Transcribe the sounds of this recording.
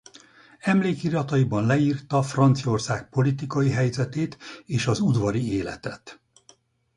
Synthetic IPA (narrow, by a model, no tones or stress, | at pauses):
ɛmleːkiɾɒt̪ɒjibɒnlɛiːrt̪ɒfrɒnt̪sio̞rsaːk̚po̞lit̪ikɒjiɦɛjzɛt̪eːt̪eːʃɒzud̪ʋɒɾieːlɛ̰t̪ɛt̪